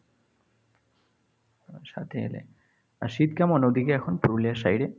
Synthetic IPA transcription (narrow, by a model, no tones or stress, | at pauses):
aɾʃa̰t̪ʰeḛlḛ | a̰ʃit̪̚kamɔnod̪ikeɛkʰonpɾuliaʃajɾe